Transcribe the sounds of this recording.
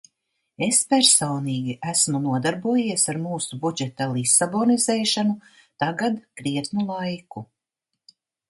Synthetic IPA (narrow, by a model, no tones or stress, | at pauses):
e̞spæɾsoːniːɡʲiʔæsmunuɔd̪aɾbuɔjiɛsaɾmuːsubud͡ʒet̪alˠisabonizeːʃanu | t̪aɡad̪kɾiɛt̪nulˠajku